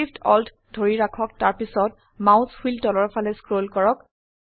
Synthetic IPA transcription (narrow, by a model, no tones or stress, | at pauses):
iptɔltʰ | dʱoɹiɹakʰɔk̚taɹpisɔt̚ | maʊ̃shiltɔlɔɹpʰalɛskɹolkɔɹɔk